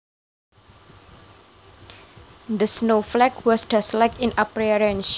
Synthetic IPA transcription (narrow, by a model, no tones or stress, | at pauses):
d̪əsnoflɛkwɔsdaslakɪ̃napɾɛɹɛ̃nʃ